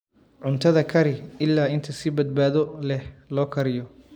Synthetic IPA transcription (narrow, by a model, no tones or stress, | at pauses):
ʕʊnt̪ʰɐðɐkʰɐɾɪɪlːaːɪnt̪ʰɐsɪbɐd̪̚baːðɔlɛhlɔːkʰɐɾɪjɔ